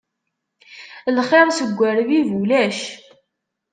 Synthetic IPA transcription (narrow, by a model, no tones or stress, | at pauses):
lχeɾˤsəɡʷːæɾvivulæʃ